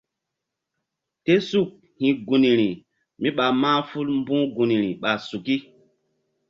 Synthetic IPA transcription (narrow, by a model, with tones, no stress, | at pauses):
te˦su˦˨k̚ | hĩ˨ɡu˨ni˨ɾi˨ | mi˦ɓa˨mã˦fu˦lm˦bũ˦ɡu˨ni˨ɾi˨ɓa˨su˨ki˦